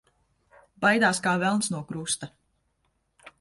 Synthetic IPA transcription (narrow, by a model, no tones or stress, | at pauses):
bajd̪aːskaːvɛlˠnsnuɔkɾust̪a